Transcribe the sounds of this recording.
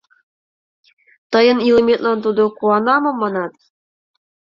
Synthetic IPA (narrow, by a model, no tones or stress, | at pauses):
t̪ɤ̆jɤ̆nilˠɤmʲet̪lˠɑnt̪̬ud̪ɤ̆kuɑnɑmɤ̆mːɑnɑt̪